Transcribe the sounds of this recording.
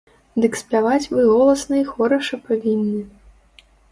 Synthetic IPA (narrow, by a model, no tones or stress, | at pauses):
d̪ɨksʲpʲavat͡sʲvɨɣɔlˠɐsnɐixɔɾɐʂɐpavʲinʲːɨ